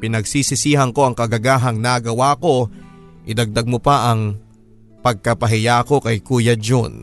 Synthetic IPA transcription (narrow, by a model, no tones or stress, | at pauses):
pɪnɐɡsisɪsiːɦɐŋko̞ʔɐŋkɐɡɐɡaːɦɐŋnaɡɐwaːko̞ | ʔɪd̪ɐɡ̚d̪aɡ̚mʊpaʔɐŋ | pɐɡ̚kɐpɐɦɪjaːko̞kɐjkuːjɐd͡ʒon